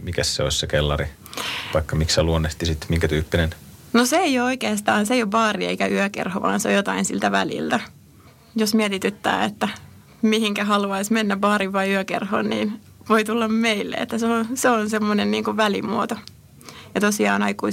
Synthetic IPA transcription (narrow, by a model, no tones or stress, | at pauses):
mikæssḛo̰sʲsekelːɑri | ʋɑikːɑmiksseluonːeht̪isit̪miŋkæt̪yːpːinennoseeiooikeːst̪ɑːnseiobɑːriḛikæyøkḛrhoʋɑ̰ːnseo̰jot̪ɑinsilt̪æʋæ̰lḭlt̪æ | josmiɛt̪it̪yt̪ːæ̰ːet̪ːæ | mihiŋkæhɑluɑismenːæbɑːriʋʋɑiyøkḛrho̰nniːn | ʋoit̪ulːɑmmeilːḛḛt̪ːæseonseonsemːonenniːŋkuʋʋælḭmuot̪o | jɑt̪osiɑ̰ːnɑikui